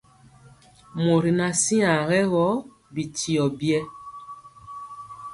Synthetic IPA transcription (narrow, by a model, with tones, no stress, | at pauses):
mo˨ɾi˨na˨si˦ã˨ɣɛ˦ɣɔ˦ | bi˨ti˨ɔ˨bjɛ˦